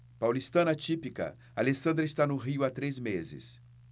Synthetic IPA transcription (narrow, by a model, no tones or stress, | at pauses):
pawlist̪ɐ̃nɐt͡ʃipikɐ̰ | alesɐ̃nd̪ɾɐɪst̪anʊɦiʊat̪ɾezmezɪ̰s